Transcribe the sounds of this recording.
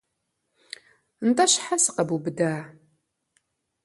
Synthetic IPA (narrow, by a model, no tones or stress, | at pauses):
nt̪ˤɑʃħasəqəbubd̪æ